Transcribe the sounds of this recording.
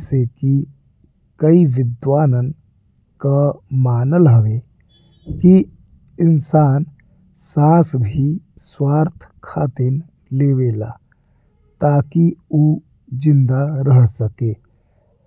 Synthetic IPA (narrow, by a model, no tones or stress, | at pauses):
seki | kəiʋɪd̪ʋaːnən | kamaːnəlɦəʋe | ki | ɪnsaːn | sãːsbʱi | swaːɾt̪ʰ | kʰaːt̪en | leːʋeːla̰ː | t̪aːkioː | d͡ʒɪ̃nd̪aɾəɦsəkeː